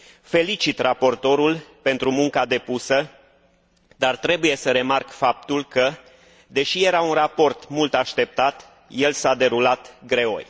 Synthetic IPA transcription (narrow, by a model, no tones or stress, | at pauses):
fe̞lit͡ʃit̪rapo̞rt̪o̞ɾulpe̞nt̪ɾumuŋkad̪e̞pusə | d̪art̪ɾe̞buje̞səɾe̞markfap̚t̪ulkə | d̪e̞ʃije̞ɾaunrapo̞rt̪mult̪aʃt̪e̞p̚t̪at̪ | je̞lsad̪e̞ɾulat̪ɡɾe̞o̞̰jʲ